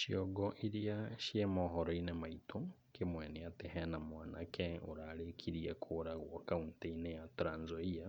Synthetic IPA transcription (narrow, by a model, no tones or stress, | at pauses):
ʃjoɡoʔiɾijaʃjemoɦoɾoinemaitʰo | kemwɛnejatehɛnamwaːnakeoɾaɾekʰiɾiakʰoɾaɣwokaunteinejatuɾaːnzoia